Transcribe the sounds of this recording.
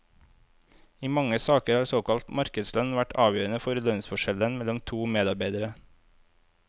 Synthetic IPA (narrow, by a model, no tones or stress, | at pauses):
iːmɑŋəsɑːkəɾhɑːɾsoːkɑlt̪mɑɾkəd̪slœnʋæʈʰɑːʋjøːɾənəfɔɾlœnsfɔʃɛlənmɛlɔmt̪ʰuːmeːd̪ɑɾbæɪd̪əɾə